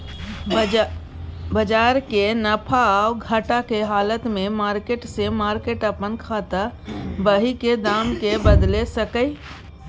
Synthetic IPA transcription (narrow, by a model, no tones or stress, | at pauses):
bəd͡ʒaːɾkenəpʰaɡʱəʈakeɦaːlət̪mẽmaːɾkeːʈsemaːɾkeːʈəpənkʰaːt̪abəɦiked̪aːmkebəd̪lesəkəi